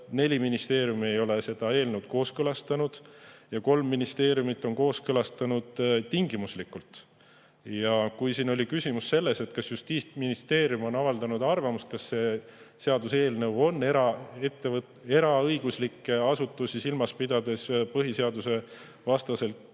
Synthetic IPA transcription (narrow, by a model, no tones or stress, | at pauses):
ne̞lʲiminist̪e̞ːɾjumie̞jo̞le̞se̞d̪̥ɑe̞ːlnewt̪̚ko̞ːskɤlɑst̪ɑnud̪̥jɑko̞lmːinist̪e̞ːɾjumit̪ːˑo̞nko̞ːskɤlɑst̪ɑnud̪̥t̪ːiŋɡ̥imuslikːˑult̪ | jɑkujsiːno̞lʲikysʲimusːe̞lːe̞se̞t̪kɑsjust̪iːt̪minist̪e̞ːɾjumo̞nɑvɑld̪ɑnud̪ɑrvɑmust̪̚kɑsːe̞se̞ɑd̪use̞ːlne̞wo̞nːeɾɑet̪ːev | e̞ɾɑɤ̞jɡ̥uslikːˑeɑsut̪ːˑusisilmɑspid̪̥ɑd̪e̞spɤɦise̞ɑd̪use̞ | vɑst̪ɑse̞lt̪